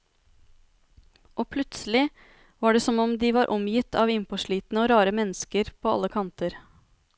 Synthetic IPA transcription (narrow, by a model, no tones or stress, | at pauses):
ʔoːpʰlʉt̪səlɪ | ʋɑːɖɛsɔmɔmd̪ɪʋɑːɾʔɔmjɪt̪ʰɑːʋɪmpɔʂɭiːt̪nəoːɾɑːɾəmɛnːəskəɾpʰoːɑ̰lːəkʰɑnt̪əɾ